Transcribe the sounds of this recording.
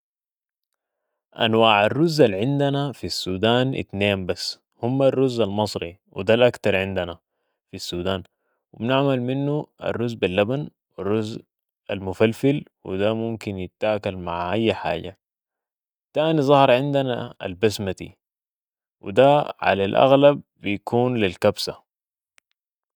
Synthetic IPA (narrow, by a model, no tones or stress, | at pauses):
ʔa̰nwaːʕarːuzːalʕɪnd̪anafisːuːd̪aːnʔḭt̪neːmbasː | humːarːuzːalmɑsˤɾḭwḭd̪alʔakt̪ɑɾˤʕɪnd̪ana | fisːuːd̪aːn | wimnɪʕmalminːua̰rːuzːbilːaban | wirːuz | ʔalmʊfalfilwḭd̪amumkinjɪt̪ːaːkalmaʕʔajːħa̰ːɟa | t̪ːaːnizˤɑhɑɾˤʕɪnd̪anaa̰lbasmad̪ḭ | wḭd̪aʕa̰lalʔa̰ɣlabːijakʰuːnlilkabsa